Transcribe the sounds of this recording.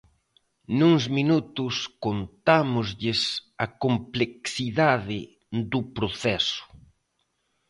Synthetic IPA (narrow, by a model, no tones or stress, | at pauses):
nuŋzminut̪ʊskont̪amʊzʎɪsɐkompleksiðaðɪ | d̪upɾoθɛsʊ̥